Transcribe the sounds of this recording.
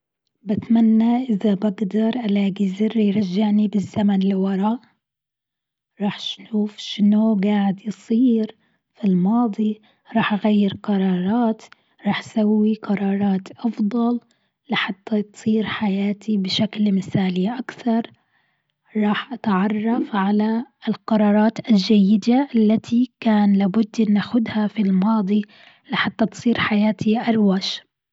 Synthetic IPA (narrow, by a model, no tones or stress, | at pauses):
bɪt̪manːaʔɪðabaɡd̪ɑɾˤʔalaːɡizɪrːijɾˤɑʒːaʕnibɪzːamanlɪwɑɾˤɑːʔ | ɾˤɑːħʃnuːfʃɪnoʊɡaːʕɪd̪jsˤiːɾ | filmɑːd̪ˤi | ɾˤɑːħʔaɣajːɪɾqɑɾˤɑːɾˤɑːt̪ | ɾˤɑːħʔsawːiqɑɾˤɑːɾˤɑːt̪ʔɑfd̪ˤɑl | lɪħat̪ːat̪sˤiːɾħajaːt̪ibɪʃaklmɪθaːliʔakθɑɾˤ | ɾˤɑːħʔat̪ʕɑrˤːɑfʕalaɪlqɑɾˤɑːɾˤɑːt̪ʔald͡ʒajːɪd̪aʔalːat̪ʰikaːnlaːbʊd̪ːʔɪnːaxʊd̪hafilmɑːd̪ˤi | lɪħat̪ːɑt̪sˤiːɾħajaːt̪ʰiʔɑɾˤwaːʃ